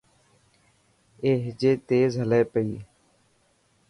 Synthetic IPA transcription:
eːɦɪd͡ʒeːt̪eːzɦəleːpəiː

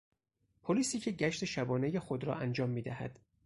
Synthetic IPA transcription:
pʰoliːsiːcʰeɟæʃt̪ʰeʃæbɒːne̞jexod̪ɾɒ̰ʔænd͡ʒɒːmːiːd̪æhæ̰d̪̥

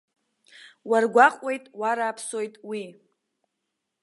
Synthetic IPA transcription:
warɡʷaqʼwe̞jtʼwaɾaːpʰsojtʼwi

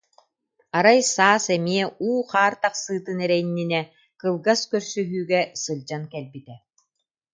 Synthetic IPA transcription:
aɾajsaːsɛmiɛʔuːχaːɾt̪aχsɯːt̪ɯnɛɾɛjnːinɛ | kɯlˠɡaskœɾsyɦyːɡɛsɯld͡ʑankɛlbit̪ɛ

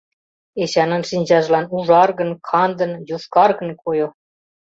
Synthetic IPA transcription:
eɕɑnɤ̆nʃinʲd͡ʑɑʒlˠɑnuʐɑrɣɤ̆nkʰɑnd̪ɤ̆njuskɑrɡɤ̆nkʰojo

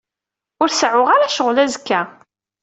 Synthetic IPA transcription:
ʊɾsʕʊʁaɾaʃəʁlæzəkːæ

